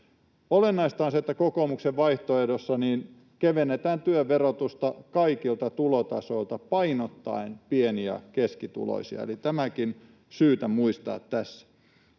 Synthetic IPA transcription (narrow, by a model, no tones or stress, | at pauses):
olenːɑist̪ɑːnset̪ːækokomukseʋʋɑiht̪oedosːɑniːn | keʋenːet̪æːnt̪yøʋerot̪ust̪ɑkɑikilt̪ɑt̪ulot̪ɑso̞ilt̪ɑpɑinot̪ːɑ̰inpieniæ̰keskit̪ṵlo̰isiɑ̰ḛlit̪æmækin | syːt̪æmuist̪ɑ̰ːt̪tæsːæ̥